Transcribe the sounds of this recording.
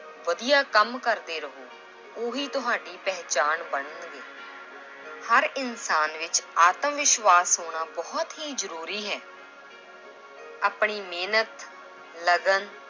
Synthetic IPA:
ʋəd̪ijaːkəmkəɾd̪eːɾəɦoː | oɦiːt̪ʊɦaːɖiːpɛːt͡ʃaːnbəɳənɡeː | həɾɪnsaːnʋɪt͡ʃaːt̪əmʋɪʃʋaːsɦoːɽ̃aːbɔːt̪ɦiːzəɾuːɾiːɦɛː | aːpɳiːmeːnət̪ | ləɡən

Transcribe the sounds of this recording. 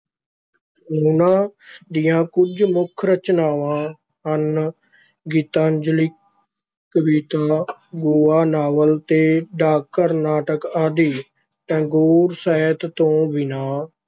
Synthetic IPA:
nuːnãːd̪ɪjãːkʊd͡ʒmʊkʰɾət͡ʃnaːʋãː | ɦən | ɡiːt̪ãːnd͡ʒliː | kəbiːt̪aːɡoːaːnaːʋəlt̪eːɖaːkːəɾnaːʈəkaːd̪iː | t̪ɛ̃ːɡoːɾsaːt̪t̪õːbɪnaː

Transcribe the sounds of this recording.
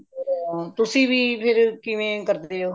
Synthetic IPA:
t̪ʊsĩːʋiːpʰɪɾkɪʋẽːkəɾd̪eːoː

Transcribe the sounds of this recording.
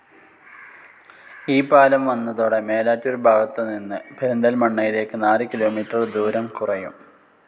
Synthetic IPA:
iːpaːlɐmʋɐnːɐðoːɽe̞me̞ːlaːtːoɾubʱaːɡɐt̪ːeninːɨbʰʱeɾund̪ɐlmɐɳːɐjile̞ːkːɨnaːlɨkilo̞ːmiːʈːrɐrd̪uːɾɐmkurɐjṵm

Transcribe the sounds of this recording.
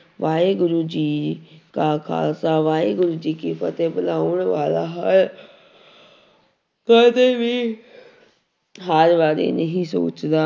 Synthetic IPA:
ʋaːeːɡʊɾuːd͡ʒiːkaːkʰa̰ːlsaːʋaːeːɡʊɾuːd͡ʒiːkiːpət̪eːbəlaːʊɳʋaːlaːɦəl | kət̪eʋiː | ɦəɾʋaːɾḛːnəɦĩːso̰ːt͡ʃd̪aː

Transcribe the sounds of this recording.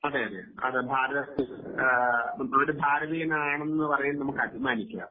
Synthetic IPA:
ɐðeɐðḛɐ̰ðɨbʱaːɾɐðɐst̪i | ɐʋɐɽebʱaːɾɐbijɐnaːɳe̞nːɨpɐrɐjunnɐmukːɐbʱimaːnikʲːa̰ːm

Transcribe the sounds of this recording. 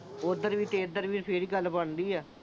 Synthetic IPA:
ʊd̪əɾʋiːt̪eːd̪əɾʋiːpʰeɾiːɡəlːbəɳd̪iːɛː

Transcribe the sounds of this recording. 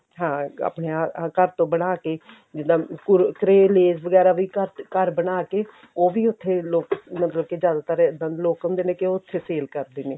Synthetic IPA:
ɦãːa̰ːpneːaːkəɾt̪õːbəɽaːkeː | d͡ʒɪd̪ãːkʊɾkɾeːleːzʋəɡɛːɾaːʋiːkəɾkəɾbənaːkeː | oːʋiːʊt̪ʰːeːloːkmət̪ləbkɪzjaːd̪aːt̪əɾd̪ãːloːkənd̪eːnẽːkɪoːʊt̪ʰːeːseːlkəɾd̪eːneː

